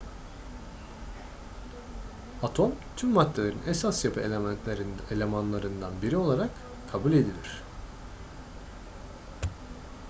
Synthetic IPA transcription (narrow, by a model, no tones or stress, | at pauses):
at̪ʰo̞mt̪ʰymːat̪ʰːelʲeɾinʔesasjapʰɯelʲnt̪ʲeɾnelʲe̞manlˠaɾɯnd̪anbiɾio̞lˠaɾakʰː | abulʲe̞d̪ilʲiɾ̝̥